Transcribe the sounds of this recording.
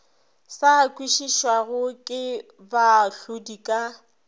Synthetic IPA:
sakʼwiʃiʃwaɣʊkʼɪ | baɬʊdikʼa

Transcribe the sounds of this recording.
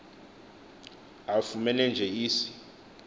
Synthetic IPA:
afumɛnɛnd͡ʒʱɛiːsi̥

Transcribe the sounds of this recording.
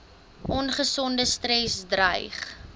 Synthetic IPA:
ʔɔnχəsɔndəstrɛsdrəjχ

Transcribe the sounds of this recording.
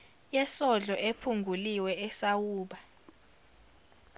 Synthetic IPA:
jɛsɔɮɔʔepʰuŋɡʱuliwɛɛsawuːɓa

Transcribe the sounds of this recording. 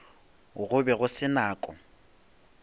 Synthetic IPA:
ɣʊbɛɣʊsɪnaːkʼɔ̰

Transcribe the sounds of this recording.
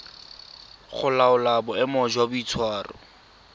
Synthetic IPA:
χʊlaʊlabɔɛmɔd͡ʒwabʊit͡sʰwaːrɔ̰

